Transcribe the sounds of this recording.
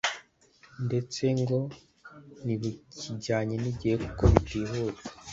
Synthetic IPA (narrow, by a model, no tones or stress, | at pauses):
nde̞t͡se̞ŋɡo̞ | niβuciɟaːɲeniɟijekukoβitiɾuːkḁ